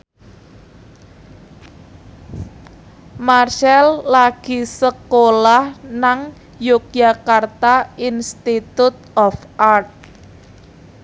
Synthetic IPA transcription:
marsɛlːaɡ̥i̤səkolahnaŋ | juk̚jakart̪ainst̪it̪ut̪̚ɔfʔart̪̚

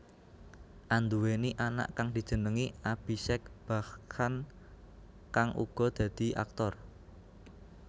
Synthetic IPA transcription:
ʔand̪uweniʔana̰ʔkaŋd̪̥i̤d̥ʒ̥ə̤nəŋiab̥isɛk̚b̥a̤han | kaŋʔṵɡ̥ɔ̤d̪̥a̤d̪̥i̤a̰k̚t̪ɔr

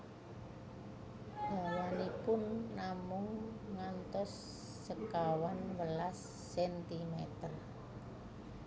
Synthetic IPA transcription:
d̥awanipʊnːamʊŋːant̪ɔsː | əkawanwəlasː | ɛnt̪imɛt̪ər

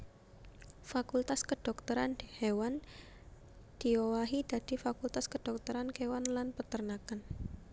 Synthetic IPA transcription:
fakult̪askəɖ̥ɔ̤k̚t̪əɾand̥ihewan | d̪̥i̤owaɦid̪̥a̤d̪̥ifakult̪askəɖ̥ɔk̚t̪əɾankewanlanpət̪ərnakan

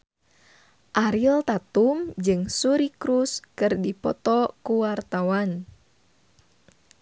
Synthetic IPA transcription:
ʔaɾilt̪at̪umd͡ʒɨŋsuɾikɾuskɨrdipɔt̪ɔkuwart̪awan

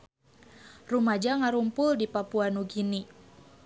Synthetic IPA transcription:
rumad͡ʒaŋaɾumpʊldipapuanuɡini

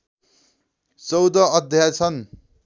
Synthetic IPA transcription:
t͡sʌwd̪ʌʌd̪ʱjat͡sʰʌn

